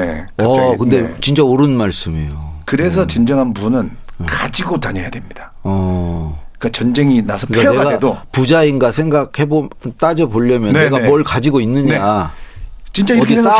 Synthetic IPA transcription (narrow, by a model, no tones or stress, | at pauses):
ḛʌkɯnde̞t͡ɕint͡ɕ͈aoɾɯnmaɭs͈ɯmḛjokɯɾe̞s̬ʰʌt͡ɕind͡ʑʌŋɦanbunɯn | kad͡ʑiɡotaɲʌjadwemɲid̥a | ʌ | k͈at͡ɕʌnd͡ʑe̞ŋinasʰʌɯikaneaɡaedopud͡ʑainɡasʰe̞ŋɡakʰhe̞bot͈ad͡ʑʌboʎːʌmjʌneɡamwʌɭkad͡ʑiɡoinːɯɲa | t͡ɕint͡ɕ͈aidi